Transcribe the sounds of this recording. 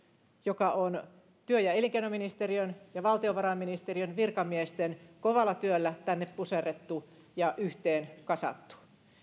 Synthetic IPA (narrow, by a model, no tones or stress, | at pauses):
jokɑon | t̪yøjɑeliŋkeinominist̪eriønjɑʋɑlt̪ioʋɑrɑminist̪eriønʋirkɑmiest̪enkoʋɑlːˑɑt̪yølːæt̪ænːeppuseret̪ːu | jɑʔyht̪eːnkɑsɑ̰t̪ːu̥